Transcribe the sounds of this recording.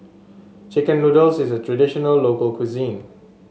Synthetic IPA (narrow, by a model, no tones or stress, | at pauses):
t͡ʃɪkə̃nludəlsɪsətʰɹadiʃɔnəlːokəlkʰwizĩn